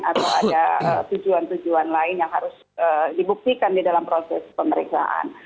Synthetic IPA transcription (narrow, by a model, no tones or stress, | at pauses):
at̪awadaət̪ud͡ʒuant̪ud͡ʒuanlaɪnjaŋɦaɾʊs | ədibuk̚t̪ikandidalampɾosɛspəməɾiksa̰ʔa̰n